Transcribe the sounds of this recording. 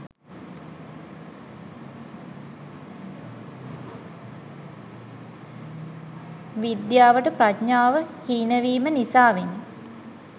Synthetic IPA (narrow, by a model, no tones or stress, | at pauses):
ʋid̪jaːʋəʈəpratɲaːʋəhiːnəʋiːmənisaːʋenːə